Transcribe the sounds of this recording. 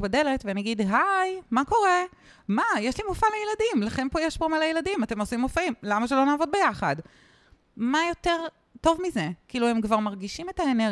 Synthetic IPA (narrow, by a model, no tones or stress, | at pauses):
bade̞le̞tveniaɡidɦajmako̞ʁe̞ | majeʃlimofalejeladimlaχe̞npojeʃbomalejeladimate̞mosimːofaimlamaʃelo̞naːvo̞d̚bejaχad | majo̞te̞ʁ | to̞vmize̞kiːluhemkvaʁmaʁɡiʃime̞taene